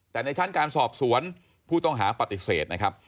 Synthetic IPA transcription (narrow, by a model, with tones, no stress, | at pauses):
t̪ɛː˨˩na˧jt͡ɕʰa˥˩nkaː˧nsɔː˨˩p̚su˩˦ən | pʰuː˥˩t̪ɔ˥˩ŋɦaː˩˦pa˨˩t̪ːi˨˩seː˨˩t̪̚na˦˥kʰa˦˥p̚